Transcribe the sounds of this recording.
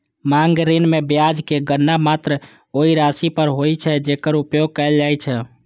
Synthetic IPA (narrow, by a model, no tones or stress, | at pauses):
maŋɡɾinmebjad͡ʒkeɡənːamat̪ɾə | oiɾasipəɾɦojt͡ʃʰɛd͡ʒekəɾupjoɡ̚kəɪld͡ʒajt͡ʃʰɛ